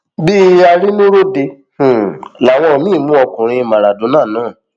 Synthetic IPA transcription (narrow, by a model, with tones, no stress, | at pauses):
bi˦a˧ɾi˦nũ˦ɾo˦de˧ | h̩˨la˨w̃ɔ̃˧˨mĩ˦˨mũ˦ɔ˧kũ˨ɾ̃ĩ˧mã˨ɾa˨dũ˨˦nãː˦˨nũː˨˦˨